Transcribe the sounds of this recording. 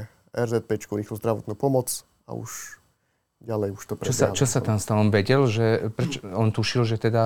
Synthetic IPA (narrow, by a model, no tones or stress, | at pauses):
ɛɾzɛt̪̚pɛt͡ʃkuɾiːxluzd̪ɾaʋɔt̪nupɔmɔt͡s | a̰ṵʃ | ɟalɛjuʃt̪ɔpɾt͡ʃɛɔsat͡ʃɔsat̪amst̪alɔmʋɛɟɛlʒɛpɾɛt͡ʃɔɔnt̪uʃilʒɛt̪ɛd̪a